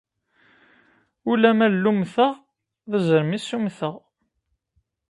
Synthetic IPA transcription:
ulæmælːumθəʁ | ðəzəɾmisːumθəʁ

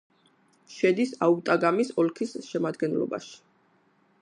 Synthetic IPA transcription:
ʃɛd̪isaut̪ʼaɡamisɔlkʰisʃɛmad̪ɡɛnlɔ̰ba̰ʃi̥

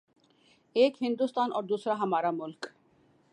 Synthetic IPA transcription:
eːkɦhɪnd̪ust̪aːnʔɔːɾd̪uːsɾaɦɐmaːɾamʊlk

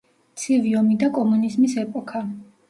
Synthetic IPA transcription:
t̪sʰiviɔmid̪akʼɔmunizmisɛpʼɔkʰa

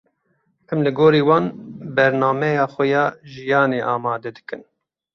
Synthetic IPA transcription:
ʔɛmlɨɡoːɾiːwɑːnbɛɾnɑːmɛjɑːxɛjɑːʒijɑːneːʔɑːmɑːd̪ɛd̪ɨkɨn

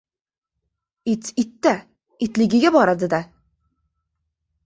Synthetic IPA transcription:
ɪt̪ɪt̪ːa | ɪt̪lɪɡʲɪɡʲabɒɾad̪ɪd̪a

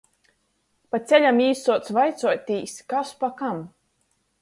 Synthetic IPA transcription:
pat̪sʲɛlʲamiːsuɔt̪svajt̪suɔt̪ʲiːskaspakam

